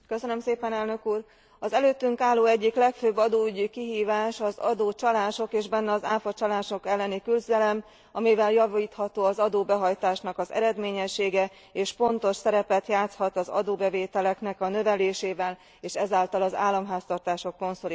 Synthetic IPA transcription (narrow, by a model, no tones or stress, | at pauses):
kø̞sønømseːpɛnɛlnø̞kuːr | ɒzɛløːt̪ːyŋkaːlːoːɛɟːiklɛkføːbːɒd̪oːyɟykiɦiːvaːʃɒzɒd̪oːt͡ʃɒlaːʃo̞keːʒbɛnːɛɒzaːfɒt͡ʃɒlaːʃo̞kɛlːɛnikylzɛlɛm | ɒmivɛljɒviːt̪hɒt̪oːɒzɒd̪oːbɛɦɒjt̪aːʃnɒkɒzɛ̰ɾɛd̪meːɲɛʃːeːɡɛ | eːʃpo̞nt̪o̞ʃsɛɾɛpɛt̪jaːt̪shɒt̪ɒzɒ̰d̪oːbɛveːt̪ɛlɛknɛkɒnø̞vɛleːʃeːvɛl | eːʃɛzaːlt̪ɒlɒza̰ːlːɒmɦaːst̪ɒrt̪aːʃo̞kːo̞nsol